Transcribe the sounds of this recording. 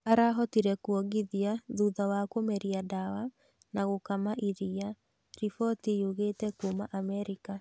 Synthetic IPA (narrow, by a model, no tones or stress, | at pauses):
aɾaɦɔtiɾɛkwɔɡiðiaðuðawakomɛɾiadawa | naɣokamaʔiɾia | ɾifɔtijuɣeːtɛkomaʔamɛɾika